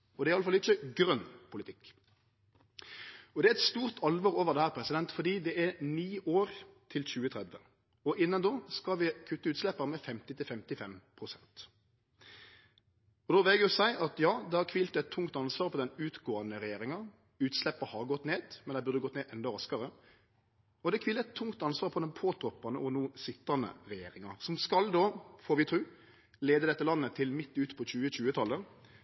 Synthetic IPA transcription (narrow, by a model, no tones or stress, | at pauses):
ɔd̪ɛɾɪɑləfɑlɪçəɡɾœnpʰʊlɪt̪ʰɪkː | ɔd̪ɛæɾɛt̪st̪uːʁt̪ʰɑlʋɔːʁoːʋəʁd̪ɛhæːɾpʰɾɛsɪd̪ɛnt̪fɔd̪iːd̪ɛʔɛniːʔoːɾt̪ʰɪlçʉːət̪ʰʁɛd̪ʋə | ɔʔɪnːɑnd̪oːskɑʋɪkʰʉt̪ːəʉːt̪slɛpːəɾmɛfɛmt̪ɪt̪ʰɪlfɛmt̪ɪfɛmpʰʁʊsɛnt̪ | ɔd̪oːʋɪlɡjʊsæɪʔɑt̪jɑːd̪ɛhɑʁkʰʋɪlt̪ɛt̪ʰːʊŋt̪ɑnsʋɑːɾpʰɔd̪ɛnʉːt̪ɡoːənəɾɛjeːɾɪŋɑ | ʉːt̪slɛpːəɾhɑʁɡɔt̪ːneːd̪mɛnd̪æɪbʉʁd̪əɡɔt̪neːʔɛnd̪ɔɾɑskɑʁə | ɔd̪ɛkʰʋɪːləɛt̪ʰːʊŋkt̪ɑnsʋɑːʁpʰɔd̪ɛnpʰoːt̪ʰɾɔpːɑnəʔɔnuːsɪt̪ːɑnə̰ɾɛjeːɾɪŋɑsɔmskɑld̪oːfɔɾʋɪt̪ʰɾʉː | leːd̪əd̪ɛt̪ːəlɑnːət̪ʰɪlmɪt̪ːʉːt̪pʰɔçʉːəçʉːət̪ʰɑlːə